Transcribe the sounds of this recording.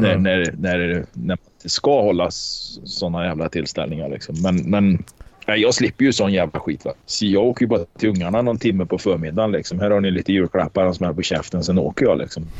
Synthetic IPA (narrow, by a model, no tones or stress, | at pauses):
nænæɾnæɾnæmannɪnt̪əskahɔlːasɔnːajæːvlat̪ʰɪlst̪ɛ̰lnɪŋa̰ɾɭɪ̰ksɔmːɛnmɛnajɑːɡslɪpːəɾjɵsɔnːjæːvla̰ɧiːt̪va̰sɔjɑːɡoːkəjəbɑːɾt̪ʰɪɵŋːaɳanɔnt̪ʰɪmːəpʰɔfœːɾmɪd̪ːanlɪksɔmhæːɾhaɳɪliːt̪əjʉ̟ːɾkʰɽa̰pːaɾɛnsɔmɛpɔɕɛft̪ənsɛno̰ːkəɾjɑlɪ̰ksɔm